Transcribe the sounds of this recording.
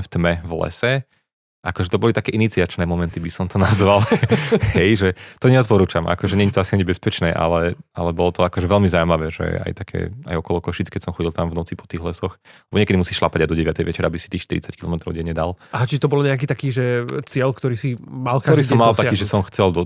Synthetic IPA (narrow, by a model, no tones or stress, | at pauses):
ft̪mɛvlɛ̰sɛ | ʔakɔʒɛt̪ɔbɔlit̪akɛːʔinit͡siat͡ʃnɛːmɔmɛnt̪ibisɔmt̪ɔnazʋalhɛjʒɛt̪ɔɲɛɔt̪pɔɾuːt͡ʃamʔa̰kɔʒɛɲɛɲit̪ɔasiaɲɛbɛspɛt͡ʃnɛːʔa̰lɛalɛbɔlɔt̪ɔakɔʒɛʋɛlmizawmaʋɛːʒɛ̰a̰jt̪akʰɛ̰ːa̰jɔkɔlɔkɔʃiːt͡skɛcsɔmxɔɟilˠt̪amvnɔt͡sipɔ̥t̪iːɣlɛsɔxlɛbɔɲɪɛkɛd̪imusiːʃlapaɟajd̪ɔɟɛʋɪat̪ɛjʋɛt͡ʃɛɾabisit̪iːxʃt̪iɾḭt͡sackilɔmɛt̪ɾɔ̰ʊɟɛɲɲɛd̪alaɦat͡ʃiʒɛt̪ɔbɔlɲɛak̬it̪akiːʒɛt͡sɪɛlkt̪ɔɾiːsimalktɔɾiːsɔmːalt̪akiːʒɛsɔmxt͡sɛld̪ɔ